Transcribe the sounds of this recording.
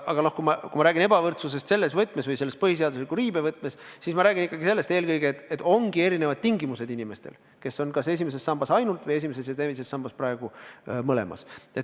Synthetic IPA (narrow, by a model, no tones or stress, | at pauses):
ɑ̰ɡ̥ɑno̞hkumɑkumɑɾæːɡine̞bɑvɤrt̪sus̬e̞st̪se̞lːe̞svɤt̪ːˑmesvɤjselːespɤhis̬e̞ɑd̪uslikːˑuɾiːbevɤt̪ːˑmessismɑɾæːɡinikːˑɑɡise̞lːe̞st̪e̞ːlkɤjɡet̪ːet̪ːo̞ŋɡ̥ie̞ɾinevɑd̪̚t̪iŋɡimuse̞d̪̥inime̞st̪e̞̰l | ke̞sːo̞nkɑse̞s̬ʲimes̬e̞sːɑmb̥ɑsɑjnult̪vje̞s̬ʲime̞s̬esjɑt̪evise̞sːɑmb̥ɑsprɑeɡ̥umɤlḛmɑ̰set̪ː